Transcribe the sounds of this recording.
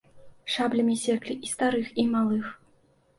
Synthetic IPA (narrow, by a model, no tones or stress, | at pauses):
ʂablʲɐmʲisʲɛklʲiʔist̪aɾɨximalˠɨx